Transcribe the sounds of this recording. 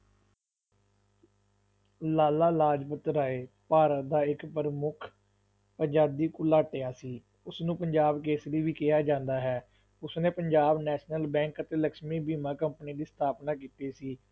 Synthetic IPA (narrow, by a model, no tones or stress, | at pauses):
laːlaːlaːd͡ʒpət̪ːɾaːeːpaːɾət̪d̪aːɪkpəɾmʊkʰ | pəɲd͡ʒaːd̪iːkʊlaːʈejaːsiː | ʊsnũːpəɲd͡ʒaːbk̬eːsləːʋiːkɪjaːd͡ʒãːnd̪aːɦɛː | ʊsnẽːpəɲd͡ʒaːbnɛːʃnəlbɛ̃ːŋkət̪eːləkʃmiːbiːmãːkəmpniːd̪iːst̪ʰaːpnaːk̬iːt̪eːsiː